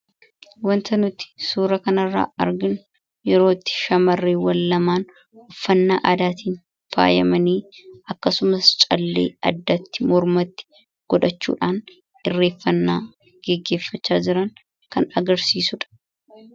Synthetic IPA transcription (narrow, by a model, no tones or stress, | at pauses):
wɐnt̪ɐnʊt̪ːɪ̥suːɾɐkɐnɐrːa̰ːʔɐɾɡɪnʊ | jɛɾo̞ːt̪ːɪ̥ʃɐmɐrːeːwɐlːɐmaːn | ɔfːɐnːaːʔaːd̪aːt̪iːn | fa̰ːjɐmɐniːɐkːɐsʊmɐst͡ʃʼɐlːḛːɐ̰d̪ːɐt̪ːɪ̥mɔɾmɐt̪ːɪ̥ | ɡ̥ɔᶑɐt͡ʃːṵːᶑaːn | ɪrːe̞ːfːɐnːaː | ɡ̥ɛɡːe̞ːfːɐt͡ʃːaːd͡ʒɪɾɐŋ | kɐnɐɡɐɾsiːsʊᶑɐ̥